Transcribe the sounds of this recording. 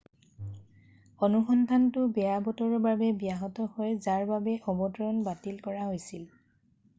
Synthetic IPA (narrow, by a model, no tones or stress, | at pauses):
ɔnuxɔndʱantʊbɛjabɔtɔɹɔbabɛbijaɦɔtɔhɔjzaɹbabɛʔɔbɔtɔɹɔnbatilkɔɹaɦojsil